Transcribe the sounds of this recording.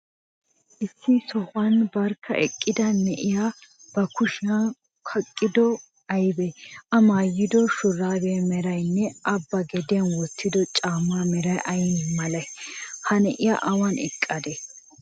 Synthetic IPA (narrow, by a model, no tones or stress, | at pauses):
ʔɪsːɪsɔhɐnbɐɾkʰːɐ̰ʔɛkʼːɪd̪ɐnɛʔɪja | b̥ɐkʊʃɪa | kʰɐkʼːɪd̪ɔ | ɐjbɛʔɐmaːjːɪd̪ɔʃʊrːaːbɛmɛɾɐjnːɛʔɐbːɐɡɛd̪ɪjɐnwɔt̪ːɪd̪ɔt͡ʃʼaːmːamɛɾɐjʔɐjmɐlɐjhɐnɛʔɪja̰ʔɐwɐnɛkʼːɐd̪e